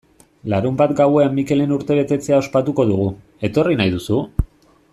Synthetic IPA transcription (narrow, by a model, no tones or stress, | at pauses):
laɾumbat̪ɡawe̞amːike̞le̞nuɾt̪e̞β̞e̞t̪e̞t͡se̞ao̞spat̪uko̞ðuɣ̞u | e̞t̪o̞rinajðusu